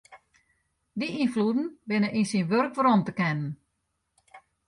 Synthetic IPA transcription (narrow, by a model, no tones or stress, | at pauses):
diʔinfludn̩bɪnəʔinsinʋørkʋəɾomtəkɛnən